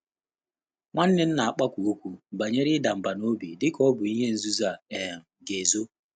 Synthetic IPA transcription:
ŋʷa˦n̩˦nɪ˦n̩˦na˨a˨k͡pa˦kʷu˨o˦kʷu˦m̩˨ba˨ɲe˦ɾɪ˦da˨m̩˨ba˨no˦bḭ˨dɪ˦kɔ˦bʊ˨i˦ɦe˦n̩˨zu˦za˦˨e˨ɡe˨zo˦

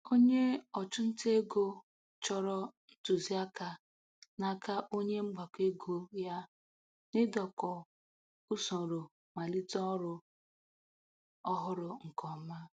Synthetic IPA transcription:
o˦ɲe˦ɔ˨t͡ʃʊ˦n̩˦te˦ɡo˦ | t͡ʃɔ˦ɾɔ˦n̩˦tu˨zi˦a˦ka˨ | na˨ka˦ʔo˦ɲe˦ŋ͡m̩˦ɡ͡ba˨ke˦ɡo˦ja˦ | nɪ˦dɔ˨kɔ˨ | ʊ˦sɔ˨ɾo˨ | ma˨li˦tɔ˦ɔ˦ɾʊ˦ | ɔ˦ɦʊ˦ɾʊ˨ŋ̩˨kɔ˨ma˦

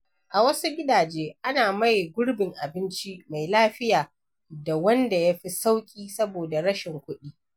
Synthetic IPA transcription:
ʔa˨wɐ˦su˦ɡʲɪ˦daː˨d͡ʒeː˦ʔa˦naː˨ma˦jɡʷʊ˦ɽbɪ˨ŋʔa˨bɪ˦nt͡ʃi˦ma˨jlaː˦ɸɪ˦jaː˨ | da˨wɐ˦nda˨ja˦ɸi˦sa˦wkʲʼiː˦sɐ˦boː˨da˨ɽɐ˦ʃɪ˨ŋkʷʊ˦ɗiː˦

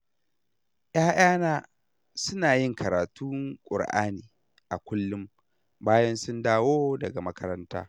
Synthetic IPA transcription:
ʔj̰aː˦j̰aː˦naː˦ | sʊ˦naː˨jɪ˦˨ŋkʰɐ˨ɾaː˨tu˦ŋkʷʼʊ̰˨ɽʔa̰ː˦niː˨ | ʔa˨kʷʊ˦lːʊ˦m | baː˦jɐ˦nsʊ˦ndaː˦woː˦dɐ˨ɡa˨mɐ˦kɐ˦ɾɐ˦nta̰ː˦

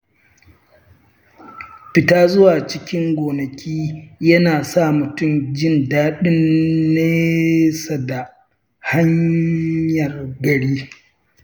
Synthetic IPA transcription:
ɸɪ˨taː˦zʊ˦waː˨t͡ʃɪ˦kʲɪ˦ŋɡʷoː˨nɐ˨kʲiː˦jɐ˦naː˨sa˦˨mʊ˨tʊ˦˨md͡ʒɪ˦ndaː˦ɗɪ˦nːeː˦sa˨da˨ | ha˦ɲ | jɐ˨rɡɐ˨ɽiː˦

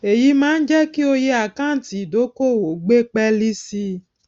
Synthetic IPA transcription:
e˨ji˨˦mã˦n̩˦d͡ʒɛ˦ki˦o˧jɛ˦a˨kã˦˨˦ti˨do˨˦ko˦˨wo˨ɡ͡be˦k͡pɛ˦li˦si˧

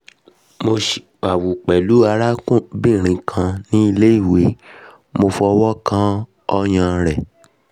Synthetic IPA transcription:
mo˧ʃi̥˨k͡pa˨wu˨k͡pɛ˨lu˨˦a˧ɾa˦kũ˦˨bĩ˦˨ɾ̃ĩ˧kʰã˧nĩ˦i˧le˦i˦˨we˨˦ | mo˧fu˧˦ɔ˧wɔ˦kã˦ | ɔ˧j̃ã˧ɾɛ˨

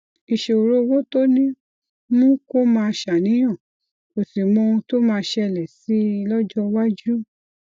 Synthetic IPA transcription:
i˨ʃe˨o˨ɾo˦˧wo˦to˦nĩ˦ | nũ˦ko˦mãː˧ʃa˨nĩ˨˦j̃ã˦˨ | o˨si˨mɔ̃˧to˦mãː˧ʃɛ˧˨lɛ˨si˨˦˧lɔ˦d͡ʒɔ˦wa˦d͡ʒu˦

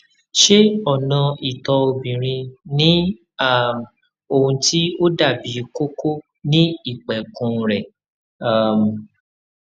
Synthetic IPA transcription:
ʃe˦ɔ˦˨nã˧i˨tɔ˧o˧bĩ˨ɾ̃ĩ˧nĩ˦ | a˦˨m | o˦˨hũ˧tʰi˦o˦da˦˨bi˨˦ko˦ko˦ | nĩ˦i˦˨k͡pɛ˨kũ˧ɾɛ˨˦˨ | m˨

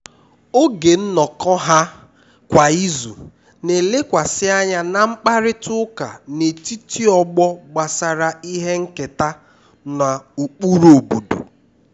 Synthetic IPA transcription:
o˦ɡe˨n̩˦nɔ˨kɔ˦ɦa˦ | kʷa˨i˦zṵ˨ | ne˨le˦kʷa˨sɪ˦a˦ɲa˦na˨ŋ͡m̩˦k͡pa˦ɾɪ˦tʊ˦ka̰˨ne˨ti˦ti˦ɔ˦˨ɡ͡bɔ˦ɡ͡ba˨sa˨ɾa˨i˦ɦe˦ŋ̩˦ke˨ta˦ | na˨u˨k͡pu˦ɾo˨bu˨dṵ˨

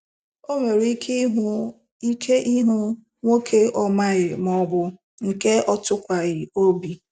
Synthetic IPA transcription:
o˦me˨ɾi˦kʰi˦ɦu˦ | i˦kʰe˦ʔi˦ɦu˦ | ŋʷo˦kʰe˦ɔ˦ma˦ɣɪ˨m˨ɔ˦bʊ˦ | ŋ̩˨ke˦ɔ˦tʊ˦kʷa˨ɣɪ˨o˦bi˨

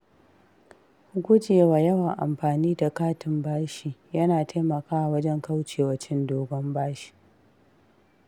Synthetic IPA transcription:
hʊ˦ɡʷʊ˦d͡ʒeː˨waː˨jɐ˦wɐ˨ŋʔa̰˨mɸaː˨niː˦da˨kaː˦tɪ˨mbaː˦ʃiː˨jɐ˦naː˨tʰa˦jmɐ˨kaː˦˨wɐ˦d͡ʒɛ˦ŋka˦wt͡ʃeː˨wɐ˨t͡ʃɪ˦ndoː˨ɡɔ˦mbaː˦ʃi̥˨

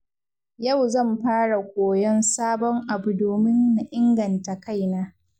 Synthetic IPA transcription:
ja˦˨wzɐ˦˨mɸaː˦ɽa˨kʷoː˨jɔ˦nsaː˦bɔ˦ŋʔa˨bu˨doː˨mɪ˦nːa˨ʔɪ˦ŋɡɐ˨nta˨ka˦˨jnaː˦

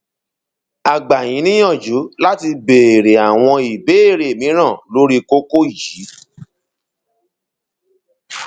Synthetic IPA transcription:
a˨ɡ͡ba˨j̃ĩ˨˦nĩ˦j̃ɔ̃˦˨d͡ʒu˨˦la˦ti˧be˨ɾe˨a˨w̃ɔ̃˧i˨be˨˦e˦˨ɾe˨mĩ˨˦ɾ̃ã˦˨lo˨˦ɾi˦ko˦ko˦i˦˨ji˨˦

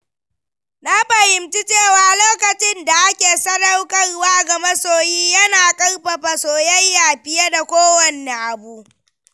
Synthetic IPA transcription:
na˦ɸɐ˨hɪ˨mt͡ʃi˦t͡ʃeː˦˨waː˨loː˦kɐ˨t͡ʃɪ˦nda˨ʔa˦kʲeː˨sɐ˦da˦wkʼɐ˦rwaː˦ɡɐ˨mɐ˦soː˨jiː˦jɐ˦naː˨kʼɐ˦rɸa˨ɸa˨soː˨jɐ˦jːaː˨ɸɪ˨ja˦da˨kʷoː˦wɐ˨nːe˦ŋʔa˨buː˦ʔ

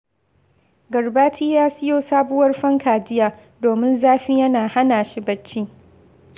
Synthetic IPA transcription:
ɡɐ˨rbaː˦tʰiː˦jaː˦sɪ˦joː˦saː˦bʊ˦wɐ˦rɸɐ˦ŋkʰaː˨d͡ʒɪ˦jaː˦ | doː˨mɪ˦nzaː˦ɸi˦jɐ˦naː˨ha˦naː˨ʃi˦bɐ˦t͡ʃːiː˦

